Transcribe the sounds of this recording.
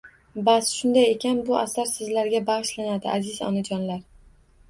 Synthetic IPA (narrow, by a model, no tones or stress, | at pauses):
basʃʊnd̪ajekʲʰanbʊʔasaɾsɪzlaɾɡʲabaʁɨʃlanad̪ɪʔazɪzɒ̰nad͡ʒɒnlaɾ